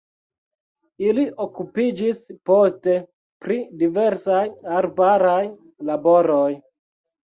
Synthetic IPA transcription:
iliʔokupid͡ʒispo̞ste̞ | pɾidiveɾsajaɾbaɾaj | labo̞ɾo̞j

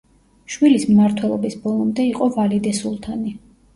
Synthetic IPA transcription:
ʃwilismmaɾt̪ʰwɛlˠɔbisbɔlˠɔmd̪ɛiqʼɔvalid̪ɛsulˠt̪ʰani

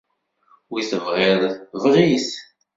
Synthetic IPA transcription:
wiθəvʁɪɾˤvʁiθ

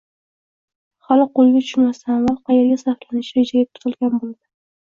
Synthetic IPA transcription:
χalɪqolˠɡʲat̪ʰʊ̥ʃʊnmast̪avalˠqʰɑjeɾɡʲasaχlanɪʃɪed͡ʒajʲap̚t̪ʰʊ̥t̪ʰɨlˠɡʲanbold̪ɪ

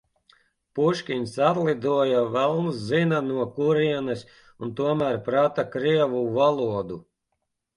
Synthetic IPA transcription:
puʃkʲinʲsat̪lˠid̪uɔjavɛlˠnszinanuɔkuɾiɛnɨsʲ | unt̪uɔmæɾpɾat̪akɾiɛvuvalˠuɔd̪u

